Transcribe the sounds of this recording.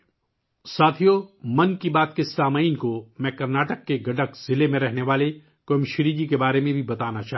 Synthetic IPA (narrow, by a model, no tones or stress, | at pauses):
saːt̪ʰijomɐ̃nkibaːt̪̚kesaːməiːnkomɛ̃kɐɾnaːʈəkːeɡɐɖəkz̥ɪlemẽɾɛɦneʋaːle | komʃɾiːd͡ʒikebaːɾemẽbʱibɐt̪aːnat͡ʃaːɦ